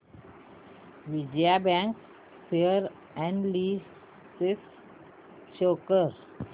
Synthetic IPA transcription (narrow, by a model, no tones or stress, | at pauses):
ʋid͡ʒiabæ̃ŋk | fiəɾ | ɛ̃ɳɖliː | sɪk | ʃoːkəɾ